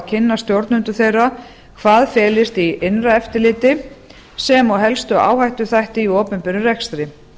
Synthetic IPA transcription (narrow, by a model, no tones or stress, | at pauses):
cʰɪnːast̪jowɾt̪nʏnt̪ʏθejrːa | kʰvaːðfɛːlɪst̪ienraɛft̪ɪlɪːt̪ɪ | sɛmɔwɦɛlst̪ʏa̰ːwhajht̪ʏθajht̪ɪiɔːpʏnpɪɾʏrɛkst̪ɾɪ